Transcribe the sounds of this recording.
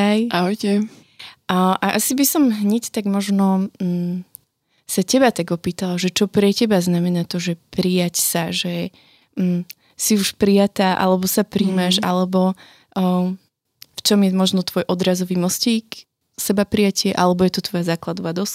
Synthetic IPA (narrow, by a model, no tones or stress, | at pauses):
ajaɦɔjcɛ | ʔʔaʔasibisɔmɦɲɛct̪aɡmɔʒnɔ | sacɛbat̪aɡɔpiːt̪alaʒɛt͡ʃɔpɾɛcɛbaznamɛnaːt̪ɔʒɛpɾijacsaʒɛ | siuʃpɾijat̪aːʔa̰lɛbɔsapɾiːmaʒa̰lɛbɔ | ft͡ʃɔmjɛmɔʒnɔt̪ʋɔjʔɔd̪ɾazɔʋimɔsciːk | sɛbapɾijacɪɛʔalɛbɔjɛt̪ɔt̪ʋɔjazaːklad̪ɔʋad̪ɔs